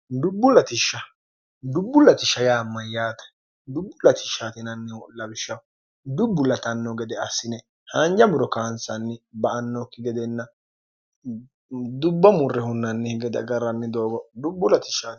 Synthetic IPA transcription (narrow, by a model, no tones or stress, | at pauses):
d̪ʊbːʊlɐt̪ɪʃːɐ | d̪ʊbːʊlːɐt̪ɪʃɐjaːmːɐjːaːt̪ɛ̥ | d̪ʊbːʊlɐt̪ɪ̥ʃːaːt̪ɪnɐnːɛwɔlɐbɪʃːɐw | d̪ʊbːʊlːɐt̪ɐnːɔɡɛd̪ɛɐsɪnɛ | hɐnd͡ʒɐmʊɾɔkaːnsɐnːɪbɐɐnːɔkːɪɡɛd̪ɛnːɐ | d̪ʊbːɐmʊrːɛhʊnːɐnːɛhɪɡɛd̪ɐ̰ɡɐɾɐnːɪd̪oːɡɔd̪ʊbːʊlɐt̪ɪ̥ʃa